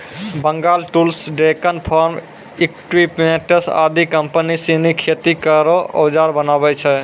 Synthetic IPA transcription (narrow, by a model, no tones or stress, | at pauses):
bəŋɡalʈulsɖekənpʰɔɾm | ikʈwipmeʈəsa̰d̪ikəmpənisinikʰet̪ikəɾoʔə̰wd͡ʒaɾbənabɛt͡ʃʰɛ